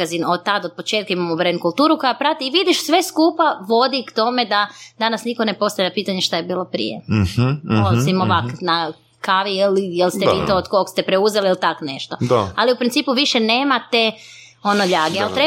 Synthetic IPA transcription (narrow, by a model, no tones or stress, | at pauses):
azinot̪ad̪od̪̚po̞t͡ʃeːt̪̚kaimamoubɾenkulˠt̪uːɾuko̞japɾat̪iːʋid̪iʃsʋe̞skuːpaʋo̞d̪ikt̪o̞me̞d̪ad̪anasnikone̞po̞st̪ajʎʲapiːt̪aɲeʃt̪ajebiːlˠo̞pɾḭjḛ | olsimoʋakna | kaʋiilijelst̪eiːt̪ood̪kokst̪epɾeuzeliilt̪akone̞ʃt̪o̞d̪aaliupɾint̪iːpuʋiʃene̞ːmat̪e | o̞noʎaːɡealt̪ɾe